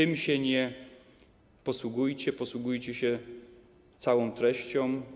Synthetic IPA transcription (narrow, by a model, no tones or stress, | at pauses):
t̪ɘmɕɛɲɛ | pɔswuɡujt͡ɕɛpɔswuɡujt͡ɕɛɕɛ | t̪sawɔ̃w̃t̪ɾɛɕt͡ɕɔ̃m